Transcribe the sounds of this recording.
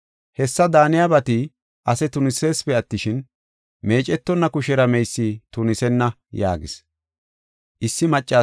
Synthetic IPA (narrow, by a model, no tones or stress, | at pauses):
hɛsːɐd̪aːnɪjabɐt̪ɪ | ʔɐsɛt̪ʊnɪseːspɛɐt̪ːɪʃɪn | me̞ːt͡ʃʼɛt̪ːɔnːɐkʊʃɛɾɐmɛjsːit̪ʊnɪsɛnːɐ | ja̰ːɡɪs | ʔɪsːɪmɐt͡ʃʼːaː